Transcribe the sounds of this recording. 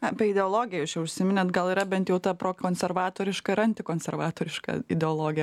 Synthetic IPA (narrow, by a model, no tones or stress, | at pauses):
ɐpʲɛɪd̪ʲɛoːlˠoːɡʲɪjɛjʊst͡ʃʲɛʊʃʲsʲɪmʲɪnʲɛt̪ɡɐlˠɪːɾɐbʲɛnt̪jɛʊt̪ɐpɾoːkoːnʲsʲɛrʋɑːt̪oːɾʲɪʃkɐɪɾɐnʲt̪ʲɪkoːnʲsʲɛɾʋɑːt̪oːɾʲɪʃkɐ̰ɪd̪ʲɛoːlˠoːɡʲɪjɛ